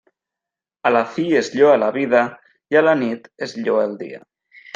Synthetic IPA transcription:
alaθiezʎoalaβiða | jalanit̪ezʎoelˠd̪ḭa̰

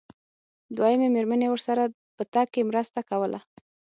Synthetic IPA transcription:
d̪wajəmemeɾmənewəɾsaɾa | pət̪ɑkːemɾəst̪akawəlʔa̰

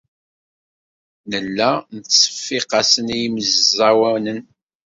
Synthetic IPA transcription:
nəlːænət͡sːə̥fːiqɑsənijməzzæwænən

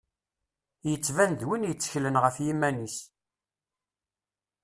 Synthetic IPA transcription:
jət͡sːvænd̪winjət͡sːə̥çlənʁəfjimːænis

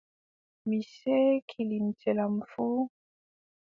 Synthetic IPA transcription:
misɛkʰilin̩tɛlam̩fu

